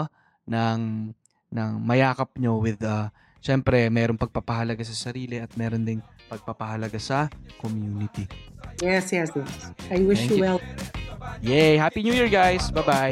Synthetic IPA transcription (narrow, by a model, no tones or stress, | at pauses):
nɐŋ | nɐŋmɐjaːkɐp̚ɲo̞wɪd̪a | ʃɛmpɾɛmɛːɾoŋpɐɡ̚pɐpɐɦɐlɐɡasɐsɐɾiːlɪɐt̪̚mɛːɾo̞nd̪ɪn | pɐɡ̚pɐpɐɦɐlɐɡasɐkomjuːnɪt̪ijɛsjɛsjɛsajwɪʃjuwɛl | jɛhapiɲuːjiɹɡajsbajba